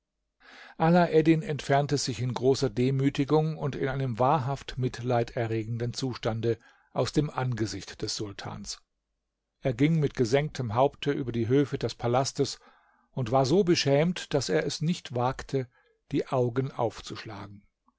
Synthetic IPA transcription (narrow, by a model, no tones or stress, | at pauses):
ʔalaʔɛdɪnɛntfɛɐntəzɪçɪnɡʁoːsɐdeːmyːtɪɡʊŋʊntɪ̰nʔaɪnəmvaːɐɦaftmɪtʰlaɪtɛɐʁeːɡŋ̩dənt͡suːʃtandə | ʔaʊsd̥eːmʔanɡəzɪçtd̥ɛsz̥ʊltʰa̰ːns | ʔeːɐɡɪŋmɪtɡ̥əzɛŋk̚tʰəmɦaʊptʰəʔyːbɐdiːɦøːfədɛspʰalastəs | ʊntv̥aːɐzoːbəʃɛːmtd̥aseːɐɛsnɪçtv̥aːktʰə | d̥iːʔaʊɡənʔa̰ʊft͡suʃla̰ːɡŋ̩